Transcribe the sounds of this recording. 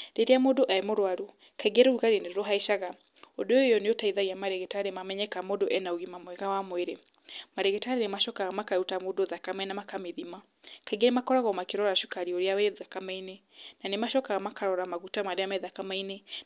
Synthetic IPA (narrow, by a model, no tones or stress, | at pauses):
ɾeɾeamodoʔaemoɾwaɾu | kaiɣeɾɛuɣaɾeneɾoɦaiʃaɣa | odojojɔnejotaiðaɣiamaɾɛɣɛtaɾemamɛɲɛkamodoʔɛnaoɣimamwɛɣawamweɾe | maɾɛɣɛtaɾenemaʃɔkaɣamakautamodoðakamainamakameðima | kaiɣeɾemakɔɾaɣɔmakeɾɔɾaʃukaɾioɾeawɛðakamaine | nanemaʃɔkaɣamakaɾɔɾamaɣutamaɾeamɛðakamaine